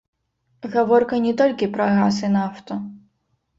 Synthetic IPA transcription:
ɣɐʋɔrkɐnʲɛt̪ɔlʲkʲipɾɐɣasɨnaft̪ɔ

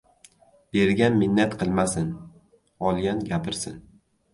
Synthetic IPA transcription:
b̥e̞ɾɡʲanmɪnːat̪qʰɨlˠmasɪn | ɒlˠɡʲanɡʲapʰɪɾsɪ̰n

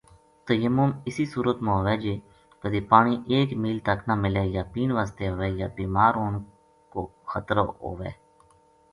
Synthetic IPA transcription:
t̪əjəmʊmɪsiːsuːɾət̪mãːʋɛːd͡ʒeː | p̪əd̪eːpaːɳiːʔeːkmiːlt̪əknaːmɪlɛːjaːpiːnʋaːst̪eːɦoʋɛːjaːbiːmaːɾoːn | koːxʰət̪ɾəɦo̰ːʋḛː

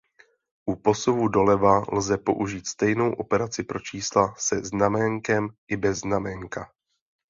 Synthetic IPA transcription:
ʔupo̞sovudo̞lɛvalzɛpo̞̰ʔuʒiːt̪st̪ɛjno̞wʔo̞pɛɾat͡sɪpɾo̞t͡ʃiːslasɛznamɛŋkɛmʔɪbɛznamɛŋka

